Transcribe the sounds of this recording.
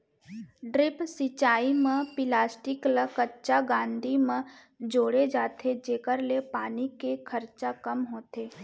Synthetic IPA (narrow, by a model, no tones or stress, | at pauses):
ɖɾɪpsɪt͡ʃaːimə̃pɪlaːsʈɪkləkətːt͡ʃaɡãːnd̪ʱimə̃ | d͡ʒoːɽed͡ʒaːt̪ʰed͡ʒeːkəɾlepaːnikekʰəɾt͡ʃakəmɦoːt̪eː